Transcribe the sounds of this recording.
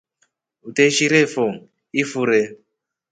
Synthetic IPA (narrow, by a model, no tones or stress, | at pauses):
uteʃiɾefoŋ | ifuɾe